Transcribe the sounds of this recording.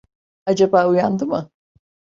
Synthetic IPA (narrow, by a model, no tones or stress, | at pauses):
ad͡ʒabaːujand̪ɯmɯ